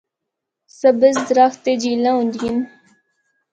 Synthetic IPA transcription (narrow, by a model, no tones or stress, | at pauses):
səbəzd̪ɾaxt̪ed͡ʑilãũnd̪ɡin